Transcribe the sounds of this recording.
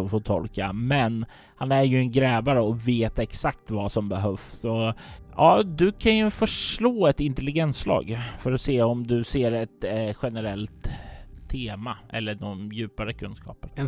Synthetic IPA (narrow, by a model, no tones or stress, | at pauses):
ɔfoːt̪ʰɔlkamɛn | hanæɾjɵɛnɡɾɛːvaɾəɔveːt̪ɛksak̚t̪vasɔmbɛɦœfsɔʔɑːd̪ɵkʰanjɵfœʂloːɛt̪ɪnt̪ɛlɪɡɛnsːlɑ̰ːɡfœɾɔseːɔmd̪ɵseːɾɛt̪ɧɛnəɾɛlt̪ʰː | eːmaʔɛ̰lːəɖɔjʉ̟ːpaɾəkʰɵnskʰɑ̰ːpəɾ